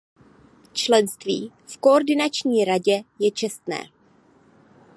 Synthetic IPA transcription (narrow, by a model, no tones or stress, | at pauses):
t͡ʃlɛnst̪vḭː | fkooɾdɪnat͡ʃɲiːɾaɟɛjɛt͡ʃɛst̪nɛ̰ː